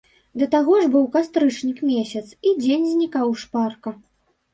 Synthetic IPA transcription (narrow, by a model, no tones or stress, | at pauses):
d̪ɐt̪aɣɔʐbɨwkast̪ɾɨt͡ʂnʲikmʲesʲɐt̪sid͡zʲenʲzʲnʲikawʂparkɐ